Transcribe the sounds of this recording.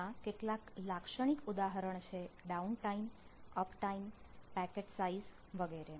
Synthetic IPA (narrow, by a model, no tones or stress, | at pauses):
akeʈlaklakʃəɽ̃ikud̪aɦəɾəɳt͡ʃʰeɖaunʈaiməpʰʈaimpɛkeʈsaiz | ʋəɡeɾe